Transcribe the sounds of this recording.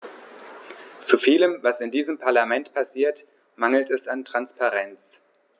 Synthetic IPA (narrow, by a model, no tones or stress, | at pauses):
t͡sufiːləmvasɪndiːzəmpʰaɐlamɛntpʰasiːɐt | maŋl̩tɛsantʁ̥anspaʁɛnt͡s